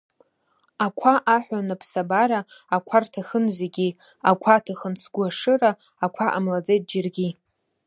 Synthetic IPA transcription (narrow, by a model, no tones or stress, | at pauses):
akʷʰaʔaħʷanapʰsabaɾaːkʷʰartʰaχənzeɡʲi | akʷʰatʰaχənsʰɡʷaʂɨraː | kʷʰaʔa̰mlad͡zejt̚d͡ʒɪrɡʲi